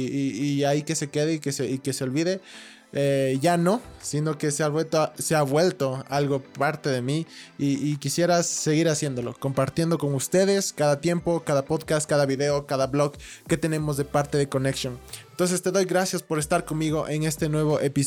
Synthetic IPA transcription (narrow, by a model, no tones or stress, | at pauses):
iːaike̞se̞ke̞ðeikeseike̞seo̞lβiðe̞ | eʝano̞sino̞ke̞seaβwelt̪oseaβwe̞lt̪o̞alɣo̞paɾt̪e̞ðe̞miiːkisje̞ɾasːe̞ɣiɾasje̞nd̪o̞lo̞̰ko̞mpaɾt̪je̞nd̪o̞koŋust̪e̞ðe̞skaðat̪je̞mpo̞kaðapo̞ðkast̪̚kaðaβiðe̞o̞kaðaβlo̞ɣkːe̞t̪e̞nẽ̞mo̞zðe̞paɾt̪e̞ðe̞ko̞neksjoŋent̪o̞ns̬e̞st̪e̞ðo̞jɣɾasjaspo̞ɾe̞st̪aɾko̞nmiɣo̞ʔeŋe̞st̪e̞nwe̞β̞o̞ʔepi